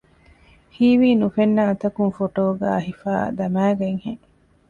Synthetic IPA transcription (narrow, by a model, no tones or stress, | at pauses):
hiːʋiːnufenːaːt̪ɐkuŋfoʈoːɡæ̰ːɐɦifa̰ːd̪ɐmæːɡɐŋheŋ